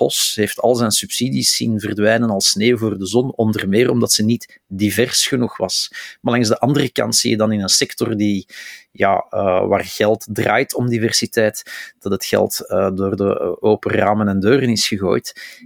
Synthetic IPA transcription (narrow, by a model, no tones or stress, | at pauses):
pɔsɦeːftʰɑ̰lˠzɛnsypsiːdisːḭnvərdʋɛjnənɑlˠsneːvoːrdəzɔnɔndərmɪːrɔmdɑtsənit | divɛrsxənuxʋɑ̰smalɑŋzdəʔɑndərəkɑ̰ntsḭjədɑnɪnənsɛktɔrdija̰ːəʋa̰ːrɣɛlˠtdra̰ːjtʰɔmdivɛrsitɛːtd̥ɑtətxɛ̰lˠtədoːrdə̰oːpəraːmənɛndøːɾənɪsxəɣo̰ːjt